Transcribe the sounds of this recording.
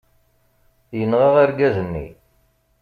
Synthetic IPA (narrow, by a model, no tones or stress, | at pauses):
jənʁɑʁaɾɡæzənːḭ